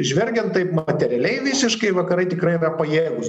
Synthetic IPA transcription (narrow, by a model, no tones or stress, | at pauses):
ʒʲʋʲɛlʲɡʲɛnt̪t̪ɐɪpmɐt̪ʲɛɾʲɪɛlʲɛɪʋʲɪsʲɪʃkɐɪʋɐkɐɾɐɪt̪ʲɪkɾɐɪɪɾɐpɐjeːɡʊs